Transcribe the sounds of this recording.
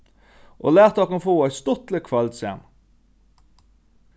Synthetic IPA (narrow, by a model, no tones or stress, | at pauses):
ʔo̰ːlæːʁt̪ɑkɑnfoːæɪst̪ɔt̪lɪkʰʋɑld̪sḛːn